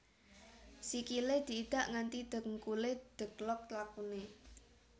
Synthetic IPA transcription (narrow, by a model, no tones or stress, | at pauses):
sikiled̪̥i̤ːd̪̥ä̤ʔŋant̪id̪̥ə̤ŋkuled̪̥ə̤ɡ̥lɔk̚t̪lakune